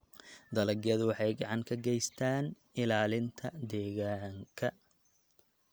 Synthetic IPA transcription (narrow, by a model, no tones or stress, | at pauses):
d̪ɐlɐɡjɐðʊwɑħɑjɡɑʕɑŋkʰɐɡɛjst̪ʰaːn | ɪlaːlɪnt̪ʰɐd̪ɛːɣaːŋkʰɐ